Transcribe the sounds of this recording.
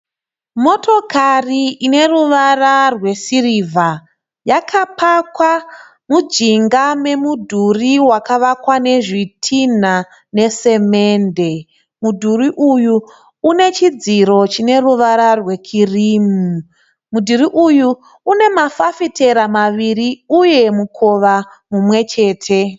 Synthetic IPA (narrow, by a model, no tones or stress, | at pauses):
mo̞tʰo̞kariine̞ruʋararwe̞siriːvʱa | jakʰapʰakwa | mud͡ʒiŋɡame̞mudʱuriwakaʋakwane̞ʐitʰin̤a | ne̞se̞me̞ːnde̞ | mudʱuriʔujuː | ne̞t͡ʃid͡ziɾo̞t͡ʃine̞ruʋaɾarwe̞kʰiriːmu | mudʱuɾiʔujuː | ne̞mafafite̞ɾamaʋiɾiuje̞mukʰo̞ʋa | mumwe̞t͡ʃe̞ːtʰe̞